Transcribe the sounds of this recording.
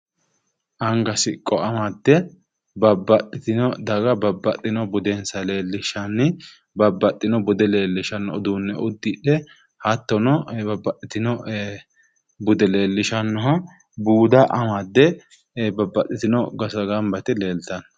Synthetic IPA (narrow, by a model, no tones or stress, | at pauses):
ʔɐŋɡɐsɪkʼɔɐmɐd̪ːɛ | bɐbːɐtːɪt̪ɪnɔd̪ɐɡɐbɐbːɐt̪ʼːɪnɔbʊd̪ɛnsɐle̞ːlːɪʃɐnːɪ | bɐbːɐt̪ːɪnɔbʊd̪ɛle̞ːlːɪʃɐnːɔɔd̪uːnːɛʊd̪ːɪᶑɛ | hɐt̪ːɔnɔbɐbːɐtːɪt̪ɪnɔ | bʊd̪ɛle̞ːlːɪʃɐnːɔɦɐ | buːd̪ɐʔɐmɐd̪ːɛ | bɐbːɐt̪ːɪt̪ɪnɔɡɐsɐɡɐmbɐt̪ɪle̞ːlt̪ɐn